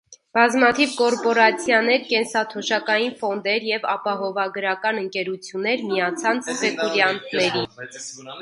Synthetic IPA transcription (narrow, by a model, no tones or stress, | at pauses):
b̥ɑzmɑt̪ʰivkɔɾpɔɾɑt͡sʰjɑnɛɾkɛnsɑt̪ʰɔʃɑkɑjinfɔnd̪ɛɾjɛvɑpɑɦɔvɑɡəɾɑkɑnəŋkɛɾut͡sʰjunːɛɾmiɑt͡sʰɑnt͡sʰspɛkuɾjɑnt̪ʰnɛɾi